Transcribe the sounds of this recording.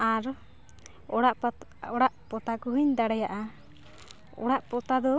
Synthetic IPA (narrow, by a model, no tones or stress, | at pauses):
aɾ | ɔɽaʔ | ɔɽaʔpɔt̪akɔɦiɲd̪aɽɛjaʔa | ɔ̰ɽaʔpɔt̪ad̪ɔ